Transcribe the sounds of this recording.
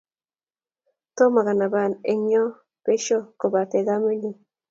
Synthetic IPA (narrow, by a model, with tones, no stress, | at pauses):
t̪o˦ma˨ɡa˨na˨ba˨ne˨ɲɔ˦ | pe˦ʃo˦ko˨ba˨t̪ɛ˨ɡa˦mi˦ni˨